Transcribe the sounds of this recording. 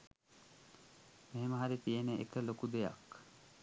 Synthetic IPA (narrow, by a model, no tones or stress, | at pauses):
meɦeməɦaɾit̪ijeneʔḛkəlokud̪eja̰k